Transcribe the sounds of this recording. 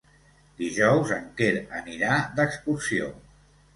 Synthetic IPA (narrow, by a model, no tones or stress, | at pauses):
d̪iʒɔwzəŋkeɾə̰niɾad̪əkskuɾsio̰